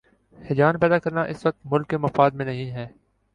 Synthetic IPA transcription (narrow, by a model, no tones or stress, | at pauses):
hɪd͡ʒaːnpɛːd̪akɐɾnaʔɪsʋɐk̚t̪mʊlkːemɐfaːd̪mẽnɐɦĩɦɛː